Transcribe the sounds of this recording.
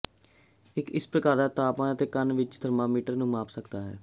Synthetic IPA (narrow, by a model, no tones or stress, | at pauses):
ɪkɪspɾəkaːɾd̪aːt̪aːpãːət̪eːkənʋɪt͡ʃd̪ʱəɾmaːmiːʈəɾnũːmaːpʰsəkd̪aːɦɛː